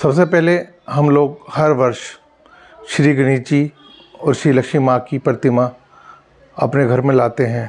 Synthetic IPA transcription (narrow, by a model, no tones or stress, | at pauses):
sɐbsepɛɦle | ɦɐmloːɡhɐɾʋɐɾʃ | ʃɾiːɡəñiːt͡ʃi | ɔːɾʃɾiːlɐkʃimakipɾət̪ɪma | ɐpneɡʱɐɾmẽlaːt̪eɦɛ̃ː